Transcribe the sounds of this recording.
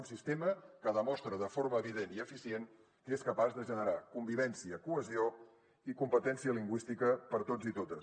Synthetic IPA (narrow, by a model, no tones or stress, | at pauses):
unsist̪eməkəðəmɔst̪ɾəðəfoɾməːβiðeniəfisien | keskəpazðəʒənəɾakumbiβ̞ɛnsiəkuəzio | ikumpət̪ɛnsiəliŋɡwist̪ikəpəɾt̪od͡zit̪ot̪əs